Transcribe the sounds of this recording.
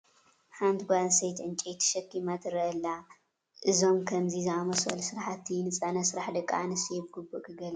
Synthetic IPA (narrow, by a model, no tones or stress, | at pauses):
hant̪ɡʷansɐjt͡ʃ̪ɨnt͡ʃʼet̪ʰɐ̥ʃɐkːimat̪ɨɾɐɐlːa | ʔɨzo̞mkʰɐmzizɨamɐsɐ̰lsɨɾaħat̪ʰːinɨt͡sʼanɐsɨɾaħd̪ɐkʼːa̰nɨsjɛbɨɡɨbukʼɨɡɐl